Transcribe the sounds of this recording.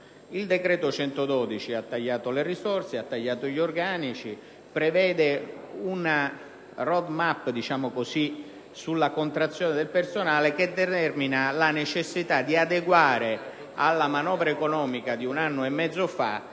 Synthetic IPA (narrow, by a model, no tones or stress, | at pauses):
ild̪ekɾɛːt̪ot͡ʃɛnt̪od̪ɔːd̪it͡ʃiat̪ːaʎːaːt̪olerisɔrt̪seat̪ːaʎːaːt̪oʎorɡaːnit͡ʃi | pɾevɛːd̪euna | rɔd̪mapːd̪it͡ʃaːmokosi | sulːakont̪ɾat̪sːjɔːned̪elpersonaːlek̟ed̪ːet̪ɛrminalanet͡ʃesːit̪ad̪iad̪eɡwaːɾe | a̰lːamanɔːvɾaekonɔːmikad̪iunanːoemːɛd̪zːofa̰